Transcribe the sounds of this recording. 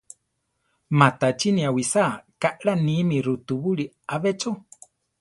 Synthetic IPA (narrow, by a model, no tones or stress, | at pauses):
mãt̪at͡ʃinĩawisakaʔɺanimĩɾut̪uβuɺi | aβet͡ʃo